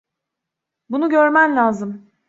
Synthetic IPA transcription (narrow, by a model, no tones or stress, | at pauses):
bunuɟøɾmænlʲaːzɯm